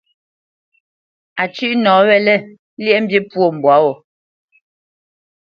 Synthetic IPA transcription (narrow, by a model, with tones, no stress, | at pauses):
a˨t͡ʃʉ˦ʔnɔ̃ː˨˦wɛ˦˨lɛ˦˨˦ | ljɛ˦m̩˦bje˦pwo˦˨m̩˨bwa˨˦wɔ˨